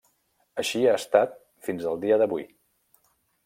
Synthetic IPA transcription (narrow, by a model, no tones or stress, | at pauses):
əʃiaəst̪at̪̚ | finzəlˠd̪iəðəβui